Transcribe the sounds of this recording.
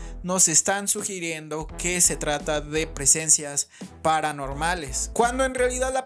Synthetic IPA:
no̞se̞st̪ansuxiɾje̞nd̪o̞ke̞se̞t̪ɾat̪aðe̞pɾe̞se̞nsjaspaɾano̞ɾmale̞skwand̪o̞e̞nrealiðaðla

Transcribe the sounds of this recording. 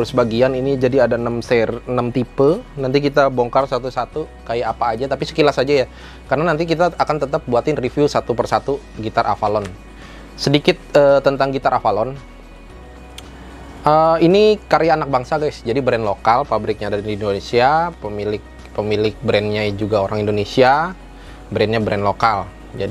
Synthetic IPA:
əɾʊsbaɡianinid͡ʒadiadaənəmsɛrənəmt̪ipəlnant̪̬ik̬it̪aboŋkarsat̪usat̪ukajaapaːd͡ʒat̪apisə̥kilasad͡ʒaja | karənanant̪ik̬it̪aːkant̪ət̪ap̚buat̪ɪnrifiusat̪upərsat̪u | ɡit̪aɾʔa̰falɔn | sədikɪt̪̚əːt̪ːənt̪aŋɡit̪aɾafalɔn | ʔəinikaɾjaːnak̚baŋsaɡajsd͡ʒadibɾɛnlokalpabɾɪk̚ɲadaɾidiːndonesiapəmilɪk̚ | pəmilɪk̚bɾɛnɲad͡ʒuɡaoɾaŋindonesia | bɾɛnɲabɾɛnlokal | d͡ʒadi

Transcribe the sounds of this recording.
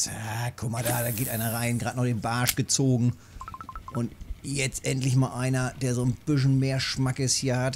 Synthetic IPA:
takʰʊkmadaːd̥aːɡeːtʔaɪnɐʁaɪnɡʁaːtnɔχd̥eːnbaɐʃɡ̥ət͡soːɡŋ̩ | ʔʊntjɛt͡stʔɛntlɪçmaːlʔaɪnɐd̥eːɐzoːnb̥ɪʃ̬n̩meːɐʃmakəshiːɐhat

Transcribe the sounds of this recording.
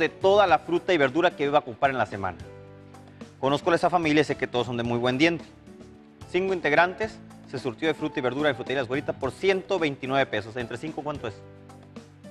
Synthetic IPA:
ðe̞t̪o̞ðalafɾut̪aiβe̞ɾðuɾakeβiβakumpaɾenlase̞mã̰na | ko̞no̞sko̞lesafamiljais̬eke̞t̪oðoso̞nd̪e̞mujβwe̞nd̪je̞nt̪e̥ | siŋkoint̪e̞ɣɾant̪e̞sː | e̞suɾt̪jo̞ðefɾut̪aiβe̞ɾðuɾaefɾut̪eilas̬koɾit̪apo̞ɾsje̞nt̪o̞βe̞jnt̪inwe̞βe̞pe̞so̞se̞nt̪ɾe̞siŋkokwant̪oeso

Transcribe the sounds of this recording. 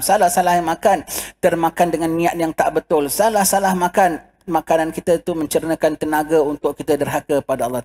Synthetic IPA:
salahsalahmãkant̪ərmakandəŋanːĩat̪jaŋt̪aʔbət̪ʊlsalahsalahmakan | mãkanankit̪ət̪umə̃ɲt͡ʃəɾnəkant̪ənaɡaunt̪ʊʔkit̪ədərɦakəpadaɑlːɑ

